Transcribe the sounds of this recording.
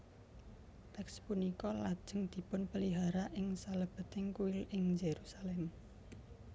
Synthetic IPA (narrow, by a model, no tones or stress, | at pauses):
t̪ɛkspunikɔlad̥ʒ̥ə̤ŋd̪̥i̤pʊnpəliɦaɾaʔɪŋsaləb̥ə̤t̪ɪŋkuɪlɪŋd͡ʒeɾusalɛm